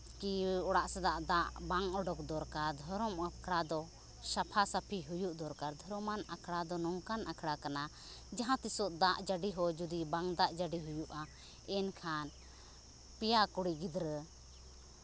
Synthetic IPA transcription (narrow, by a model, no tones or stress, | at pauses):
kiɔɽaʔsad̪aʔd̪aʔbaŋɔɖɔkd̪ɔɾkaɾd̪ʱɔɾɔmakʰɽad̪ɔ | ʃapʰasapʰiɦujuʔd̪ɔɾkaɾd̪ʱɔɾɔmanakʰɽad̪ɔnɔŋkanʔakʰɽakana | d͡ʒaɦãt̪isɔʔd̪aʔd͡ʒaɖiɦɔd͡ʒud̪ibaŋd̪aʔd͡ʒaɖiɦujuʔa | ɛnkʰan | pijakuɽiɡid̪ɾə